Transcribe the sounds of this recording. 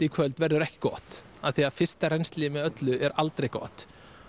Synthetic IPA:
t̪ɪkʰvœlt̪vɛɾðʏɾɛhcɪ̥kɔːt̪ | aðθiaðfɪr̥st̪arejnst̪liːmɪœt̪lʏʔɛɾalt̪ɾejkɔ̰ːt̪

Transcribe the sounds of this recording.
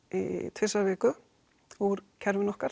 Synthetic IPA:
ḭt̪ʰfɪsavɛːkʏ | uɾcʰɛɾvɪnɔhkaɾ̥

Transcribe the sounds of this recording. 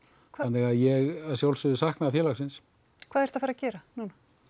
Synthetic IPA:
kʰvaanːɪɣaðjɛɣaðsjawlsʏðʏsahknaafjɛːlaxsɪns | kʰvaːðɛɾ̥t̪afaɾacɛːɾanuna

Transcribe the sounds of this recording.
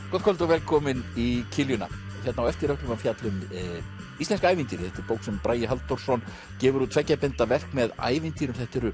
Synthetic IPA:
kɔt̪kʰɔlt̪avɛːlkʰɔmɪnicʰɪljʏna̰çjɛt̪nawɛft̪ɪɾœhk̪lʏmafjat̪lʏm | ist̪ɛnskaːjvɪnt̪iːɾθɛht̪ɪɾpowksɛmpɾʔaːjɪɦalt̪ɔɾ̥sɔn | cɛːvʏɾut̪ʰvɛcːapɪnt̪avɛr̥kmɛða̰ːjvɪnt̪iːɾʏmθɛht̪ɪɾʏ

